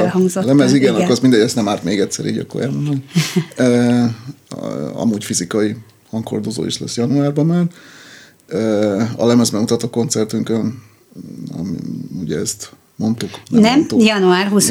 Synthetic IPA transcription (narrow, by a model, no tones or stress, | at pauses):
hɒŋɡzolɛmɛziɡɛnɒkːsind̪ɛɟɛst̪ɛmaːrt̪meːɡɛt̪ʲsɛ̰ɾḭːɟɒ̰kːoɾʔɛ̰lmndonø | ɒ̰muːcfizikɒji | hɒŋkho̞̰rd̪o̞zo̰ːḭʃlɛ̰sjɒnuaːrbɒmaːr | øːɒ̰lɛmɛzbɛmut̪ɒt̪oko̞nt̪sɛrt̪yŋkøn | ɒ̰m̰ṵɟɛ̰ɛst̪ | mo̞nt̪uknɛnmɛmnt̪ujɒnuaːrɦus